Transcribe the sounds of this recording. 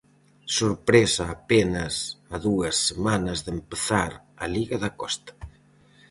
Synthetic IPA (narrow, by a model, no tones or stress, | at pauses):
soɾpɾesɐːpenɐsaðuɐsːemanɐzðempeθaɾɐliɣɐðɐkɔst̪ḁ